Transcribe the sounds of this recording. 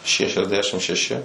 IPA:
ʃʲɛʃʲɛzʲˈdʲæːʃʲɪm ʃʲɛˈʃʲɪ

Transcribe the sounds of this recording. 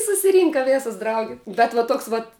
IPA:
sʊsʲɪˈrʲiːŋkɐ ˈʋʲeːsɐs ˈdrɐʊɡʲɛ bʲɛt ʋɐ ˈtoːks ˈʋɐt

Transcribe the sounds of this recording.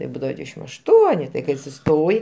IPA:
tɐɪp ˈbuːdɐʋɐ ˈdʲʋʲiːdʲɛʃʲɪm ɐʃˈtuɔnʲɪ tɐɪ ˈkɐɪ ɐtʲsʲɪˈstoːjɪ

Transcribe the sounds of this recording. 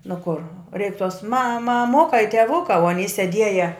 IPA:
nʊ koːr rʲɛɪk toːs mɐ mɐˈmʊkɐ ɪ tʲɛˈʋʊkɐ oː ɐˈnʲiː sʲɛˈdʲiɛjɛ

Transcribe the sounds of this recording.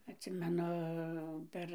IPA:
ɐtʲˈsʲɪmʲɛnʊ ˈpʲɛr

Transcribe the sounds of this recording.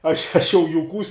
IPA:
ɐʃ ɐʃ jɛʊ jʊˈkuːs

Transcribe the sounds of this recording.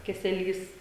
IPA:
kʲɛsʲɛˈlʲiːs

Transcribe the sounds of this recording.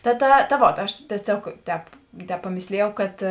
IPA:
tɐ ˈtɐ tɐ ˈʋoːt ɐʃ tʲiɛˈsʲoːk ˈtʲɛːp ˈtʲɛːp pɐˈmʲeːsʲlʲɪjɛʊ kɐt

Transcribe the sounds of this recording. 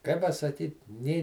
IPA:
kɐɪ pɐsɐˈkʲiːt nʲeː

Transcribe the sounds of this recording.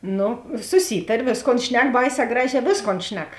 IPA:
ˈnʊ sʊˈsʲiːtɐrʲeː ˈʋʲeːsˌkoːn ˈʃʲnʲɛk ˈbɐɪˌsʲɛː ˈɡrɑːˌʒʲɛː ˈʋʲeːsˌkoːn ˈʃʲnʲɛk

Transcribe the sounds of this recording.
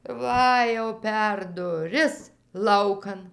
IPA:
ˈʋɐ jɛʊ pʲɛr dʊˈrʲɪs ˈlˠɐʊkɐn

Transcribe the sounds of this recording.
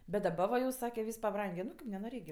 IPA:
bʲɛt dɐˈbɐ ʋɐ jɛʊ ˈsɑːkʲɛ ˈʋʲiːs pɐˈbrɐŋʲɡʲeː ˈnʊ kɐɪp nʲɛnoːˈrʲeːk ɡʲɪ

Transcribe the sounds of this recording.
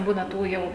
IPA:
ˈbuːnɐ ˈtuː ˈjɛʊ

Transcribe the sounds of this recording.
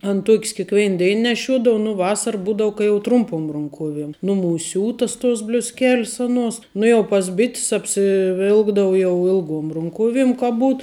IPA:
ɐn ˈtuɔkʲs kʲɪkˈʋʲɛɪn ˈdʲɛɪn nʲɛˈʃʲuɔdoːw nʊ ˈʋɑːsɐr ˈbuːdɐʊ kɐ jɛʊ ˈtrʊmpʊm rʊŋˈkuɔʋʲiɛm ˈnʊmuːsʲ ˈsʲuːtɐs toːs bʲlʲʊsʲˈkʲɛlʲs oːˈnuɔs ˈnʊ jɛʊ pɐs ˈbʲɪtʲs ɐpʲsʲɪˈʋʲɪlˠɡdɐʋʊ ˈjɛʊ ˈɪlˠˌɡuɔm rʊŋˈkuɔʋʲɪm kɐ ˈbuːt

